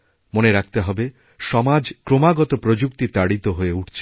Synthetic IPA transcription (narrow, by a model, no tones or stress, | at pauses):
moneɾak̚ʰt̪eɦɔbe | ʃɔmad͡ʑkɾomaɡɔt̪opɾod͡ʑuk̚t̪it̪aɽit̪oɦoeuʈt͡ɕʰe̥